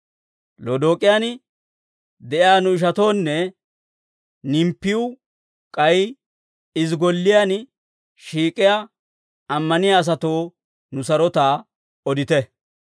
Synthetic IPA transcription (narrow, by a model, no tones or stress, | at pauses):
lod̪o̞ːkʼɪjan | d̪ɛʔjaːnʊɪʃ̬ɐt̪o̞ːnːɛ | nɪmpːɪʊ | kʼɐj | ɪzɡɔlːɪjan | ʃiːkʼɪja | ɐmːɐnɪjaːs̬ɐt̪o̞ː | nʊsɐɾɔt̪aː | ɔd̪ɪt̪ɛ